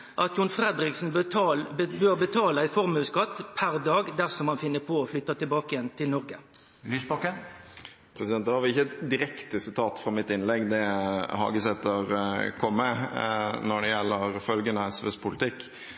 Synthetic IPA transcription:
ʔɑt̪jʊnfɾɛd̪ɾɪksn̩ | bøːʁbət̪ʰɑːləæɪfɔʁmʉːskɑt̪ːpʰæɾd̪ɑːɡd̪æʁsɔmhɑnfɪnːəpʰɔːflʏt̪ːɑt̪ʰɪlbɑːkəɪjɛnːt̪ʰɪlnɔʁɡə | lyːsbɑkən | pʰɾɛsɪd̪ɛnt̪d̪ɛhɑɾʋɪçːət̪d̪ɪɾɛkt̪əsɪt̪ʰɑːt̪fɾɑmɪt̪ːɪnlɛɡːd̪ɛhɑ̰ːɡəsɛt̪ːəɾkʰɔmːə | nɔɖɛjɛlːəɾfœlɡənəɛsʋɛ̰spʰʊlɪt̪ʰɪkː

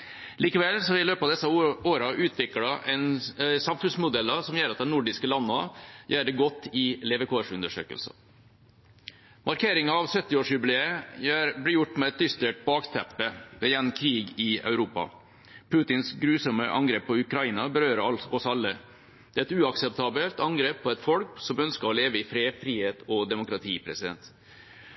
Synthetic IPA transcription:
liːkəʋɛlsɔʋɪløːpɑːʋd̪ɛsːɑoːɾɑʔʉːt̪ʰʋɪkɽɑʔɛnsɑmfʉnsmʊd̪ɛlːɑsɔmjæːɾɑt̪̚d̪ɛnʊɖɪskəlɑnːɑjæːɾɖɛɡɔt̪ːɪlɛʋɛkʰoːʂʉnd̪əʂø̰ːkə̰lsɑ̰ | mʔɑɾkʰeːɾɪŋɑɑʋsœt̪ːɪoːʂjʉbleːəjæːɾblɪjʊʈːmɛɛt̪̚d̪ʏst̪eːʈ̚bɑːkt̪ʰɛpːəʋɛjɛnmkʰɾiːɡɪœ̰ʉɾuːpɑ̰ | pʰʉːt̪ɪnsɡɾʉːsɔməʔɑ̰ŋɡɾeːpʰːɔʉkɾɑiːnɑbəɾøːɾəɑɔsɑlːə | d̪̥ɛːɾɛt̪ʉːɑksɛp̚t̪ʰɑːbəlt̪ɑŋɡɾeːpʰːɔɛt̪fɔlksɔmœnskəɾɔleːʋəɪfɾeːfɾiːheːt̪ʰɔd̪ɛmʊkɾɑt̪ʰiːpʰɾɛsɪd̪ɛ̰nt̪

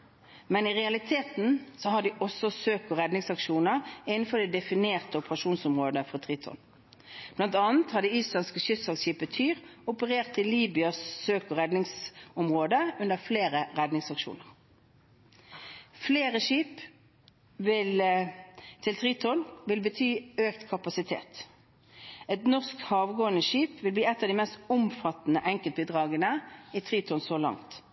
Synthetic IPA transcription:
mɛnɪʁɛɑlɪt̪ʰeːt̪nsɔɦɑd̪ɪʔɔsɔsøːkɔʁɛd̪nɪŋsɑkʃuːnəʁɪnn̩fɔʁd̪ɛd̪ɛfɪneːʁt̪əʊpəʁɑʃuːnsʊmʁoːd̪əfɔʁt̪ʰʁit̪ʰɔ̰n | b̥lɑnt̪ɑːnət̪hɑd̪ɛyːslɑnskəʃʏssɑlsɕiːpət̪ʰyːʁʊpəʁeːʁt̪ʰːɪliːbʏɑsːøːkɔʁɛd̪nɪŋsʊmʁoːd̪əʉnəʁfleːʁəʁɛd̪nɪŋsɑkʃṵːnəʁ | fleːʁəʃiːp | ʋɪl | t̪ʰɪlt̪ʰʁiːt̪ʰɔnʋɪlbət̪ʰyːøːkt̪kʰɑpɑsɪt̪ʰḛːt̪ | ɛt̪nɔʁskhɑːʋɡoːənəʃiːpʋɪlbliːɛt̪ːɑʋd̪ɪːmɛst̪ʊmfɑt̪ːnəʔɛŋkəlt̪̚bid̪ʁɑːɡənəit̪ʰʁiːt̪ʰɔnsolɑ̰ŋt̪

